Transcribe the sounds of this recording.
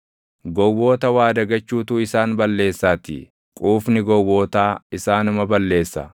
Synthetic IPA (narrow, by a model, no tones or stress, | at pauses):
ɡɔwoːt̪ɐwaːd̪ɐɡɐt͡ʃːuːt̪uːɪsaːnbɐlːe̞ːsːaːt̪ɪ̰ | kʼuːfnɪɡɔwoːt̪aːɪsaːnʊmɐbɐlːe̞ːsːɐ̰